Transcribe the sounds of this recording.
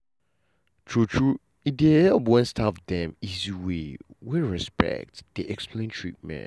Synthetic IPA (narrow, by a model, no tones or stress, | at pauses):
tʰɹutʰɹu | idehɛlpwɛ̃nstʰafdɛ̃miziwiwiɹɛspɛ̰k̚td̥eʔɛksplẽntʰɹit̚mɛ̰̃